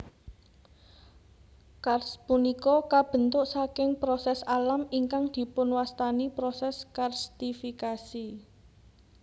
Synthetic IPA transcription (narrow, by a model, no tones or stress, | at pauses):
karspunikɔkab̥ə̤nt̪ʊʔsakɪŋpɾosɛsalamiŋkaŋd̪̥i̤pʊnwast̪anipɾɔsɛskarst̪ifikasi